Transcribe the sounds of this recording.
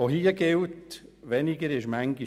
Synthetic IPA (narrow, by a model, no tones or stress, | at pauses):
oɦiːəɡɪltʋɛnɪɡəɾɪʃmæŋɡi